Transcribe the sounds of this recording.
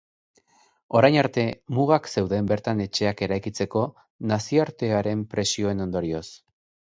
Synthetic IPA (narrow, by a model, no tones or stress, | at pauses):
o̞ɾajnaɾt̪e̞muɣakse̞wðe̞mbe̞ɾt̪ane̞t͡ʃe̞ake̞ɾajkit͡se̞ko̞ | nasioaɾt̪e̞aɾe̞mpɾe̞sio̞e̞no̞nd̪o̞ɾio̞s